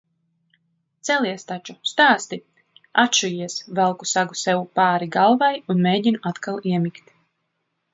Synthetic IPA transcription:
t̪sɛliɛst̪at͡ʃust̪aːst̪i | at̪ʃujiɛsvɛlˠkusaɡusɛwupaːɾiɡalˠvajunmeːɟinuat̪kalˠiɛmikt̪

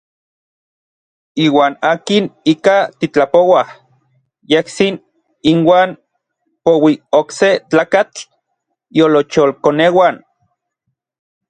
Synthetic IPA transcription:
iːwaːnaːkinikat̪it͡ɬapowah | jehsin | inwaːn | powiokset͡ɬaːkat͡ɬ | jolot͡ʃolkonewan

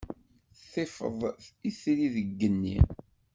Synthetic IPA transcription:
θefə̰ðˤiθɾiðəɡːənːḭ

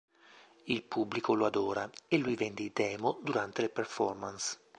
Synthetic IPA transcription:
ilpubːlikoload̪oːɾaelːujvɛnd̪id̪ɛːmod̪uɾant̪eleperfɔ̰rmans

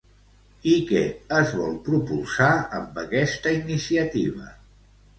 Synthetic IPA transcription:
ikɛ̰əzβɔlˠpɾupulˠsaəmbəkɛst̪əinisiət̪ḭβ̞ə̰

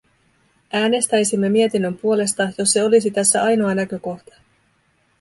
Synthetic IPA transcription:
ʔæːne̞st̪æjsimːe̞mie̞t̪inːø̞mpuo̞le̞st̪ɑjo̞sːe̞o̞lis̬it̪æsːæɑjno̞ɑnækø̞ko̞xt̪ɑ̥

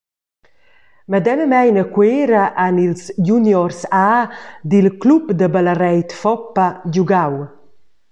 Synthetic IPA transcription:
mad̪ɛnəmɛjnəkweːɾaʔanilsjunjɔɾsaːd̪ilklupd̪əbalarɛjt̪fɔpːaɟuɡaw

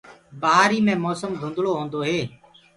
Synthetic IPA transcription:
bəɦaːɾiːmẽːmɔːsəmɡʱʊ̃nd̪ʱɭoːɦõːnd̪oːɦeː

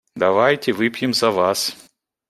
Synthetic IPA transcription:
d̪ɐvajtʲɪvɨpʲjɪmzɐvas

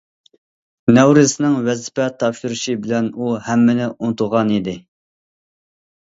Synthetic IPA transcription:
nɛwɾɪsɪnɨŋwɛzpɛt̪ʰɑpʃuɾɪʃibɪlɛnuhɛmːɪnɪʔunt̪ʰʊʁɑnid̪ɪ

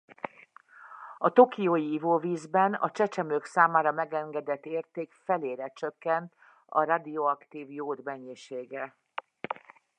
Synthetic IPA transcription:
ɒt̪o̞kijoːjiivoːviːzbɛnɒ̰t͡ʃɛt͡ʃɛmøksaːmaːɾɒmɛɡɛŋɡɛd̪ɛt̪ːeːrt̪eːkfɛleːɾɛt͡ʃøkːɛnt̪ | ɒ̰ɾad̪ioɒkt̪iːvjoːd̪mɛɲːiʃeːɡɛ

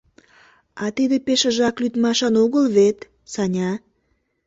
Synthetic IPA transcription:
ɑt̪id̪epeʃəʒɑklyt̪mɑʃɑnoɣəlβet̪ | sɑnʲɑ

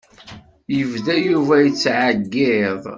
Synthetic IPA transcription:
jəvðæjuvæjət͡sːʕaɡːɪðˤ

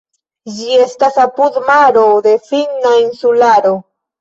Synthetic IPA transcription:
d͡ʒie̞stasapud̪maɾod̪e̞finainsulaɾo̞

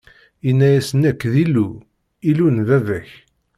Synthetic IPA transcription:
inːæjæsənækːðilːu | ilunðævæç

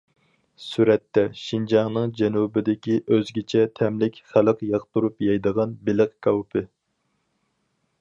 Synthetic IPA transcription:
syɾɛt̪ːɛʃind͡ʒɑŋnɨŋd͡ʒɛnubɪd̪ɪkʲiʔøzɡʲɪt͡ʃʰɛt̪ʰɛmlɪkʲχæləqjɑqt̪uɾupjɑjd̪əʁɑnbɪlɨqkʰʲɑwpʰɪ

